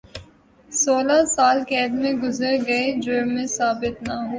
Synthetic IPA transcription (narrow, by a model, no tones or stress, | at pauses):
soːlasaːlkɛːd̪mẽɡʊzəɾɡɐed͡ʒoːmẽsaːbɪt̪naɦoː